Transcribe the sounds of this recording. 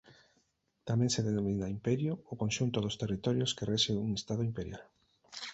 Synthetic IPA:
t̪amɛ̃ŋseðenõmĩnaimpɛɾjʊːkõnʃunt̪ʊðʊst̪erit̪ɔɾjʊskereʃeuŋest̪að̞ʊimpeɾja̰l

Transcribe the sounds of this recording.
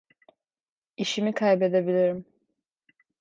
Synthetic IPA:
iʃimikʰajbe̞d̪ebilʲiɾim

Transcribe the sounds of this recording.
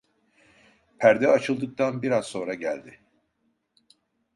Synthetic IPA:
pʰæɾd̪ɛat͡ʃʰɯlˠd̪ɯk̚t̪ʰanbiɾazso̞ːnɾaɟæ̰lʲd̪ɪ

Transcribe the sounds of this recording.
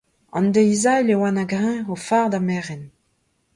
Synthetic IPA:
ɑ̰̃nd̪eizalewanaɡʁɛ̃ofaːʁd̪amɛːʁɛn

